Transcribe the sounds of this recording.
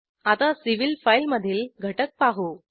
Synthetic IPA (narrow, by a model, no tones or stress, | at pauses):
at̪asiʋilfajlməd̪ʱiːlɡʱəʈək̚paɦo